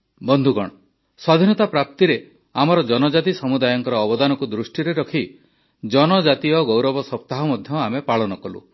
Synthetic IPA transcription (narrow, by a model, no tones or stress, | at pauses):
bɔnd̪ʱuɡɔɽ̃ɔ | sɔd̪ʱinɔt̪apɾap̚t̪iɾe | amɔɾɔd͡ʒɔnɔd͡ʒat̪isɔmud̪ajɔŋkɔɾɔːbɔd̪anɔkud̪ɾusʈiɾeɾɔkʰi | d͡ʒɔnɔd͡ʒat̪iɔɡowɾɔbɔsɔp̚t̪aɦɔmɔd̪ʱjɔamepaɭɔnɔkɔlṵ